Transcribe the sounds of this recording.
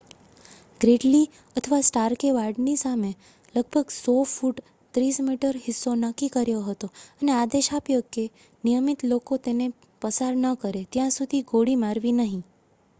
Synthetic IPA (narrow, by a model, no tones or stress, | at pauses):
ɡ̥ɾeʈli | ət̪ʰəʋasʈaɾkeʋaɾɖnisame | ləɡ̚bʱəɡsɔfuʈ | t̪ɾismiʈəɾɦɪsːonəkːikəɾjoɦət̪oənead̪eʃapjoke | nijəmit̪lokot̪ene | pəsaɾnəkəɾet̪jãsud̪ʱiɡoɽimaɾʋinəɦĩ